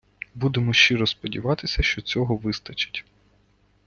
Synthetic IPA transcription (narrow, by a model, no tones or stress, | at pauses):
bud̪emɔʃt͡ʃiɾɔspɔdʲiʋɑt̪ɪsʲɐʃt͡ʃɔt͡sʲɔɦɔʋɪst̪ɐt͡ʃɪ̥tʲ